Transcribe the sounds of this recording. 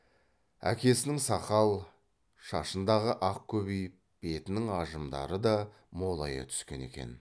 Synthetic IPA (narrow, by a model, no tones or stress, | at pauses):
æ̰kʲe̞sɪnɪŋsɑqɑlˠ | ʃɑʃənd̪ɑʁəʔɑq̚kʲʰɵbijp | b̥e̞t̪ɪnɪŋɑʒəmd̪ɑ̰ɾəd̪ɑ | mo̞lˠɑ̰jə̰t̪ʰʏ̥skʲe̞̰ne̞̰kʲe̞̰n